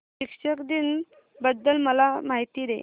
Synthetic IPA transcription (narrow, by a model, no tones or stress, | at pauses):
ɕikʂəkd̪in | bəd̪ːəlməlamaɦit̪id̪ḛ